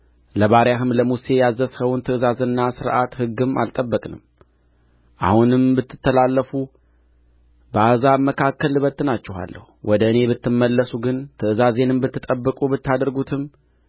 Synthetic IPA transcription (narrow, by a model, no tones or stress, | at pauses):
ləβaɾjaɦɨmləmuse̞jazːəshəwʊnt̪ʰɨɨzazɨnːasɨɾʔat̪hɨɡːɨma̰lt̪ʼəbːəkʼnɨ̰m | ʔa̰hunɨmbɨt̪ːɨ̥t̪ːəlalːəfu | bəazaməkʰakːəlɨβət̪ːɨnat͡ʃːɛɦa̰lːə̰huwʔɔd̪əɨne̞bɨt̪ːɨmːəlːəsuɡɨnt̪ʰɨɨzaze̞nɨmbɨt̪ːɨt̪ʼəbːɨkʼubɨt̪ːad̪əɾɡut̪ʰɨm